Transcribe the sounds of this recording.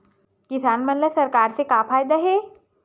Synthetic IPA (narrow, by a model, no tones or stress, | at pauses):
kɪsaːnmɐnləsɐɾkaːɾsekaːpʰaːjd̪aɦɛ